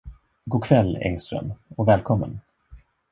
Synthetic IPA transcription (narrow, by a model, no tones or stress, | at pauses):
ɡoːkʰvɛlːɛ̰ŋst̪ɾə̰mɔvɛːlkʰɔmːə̰n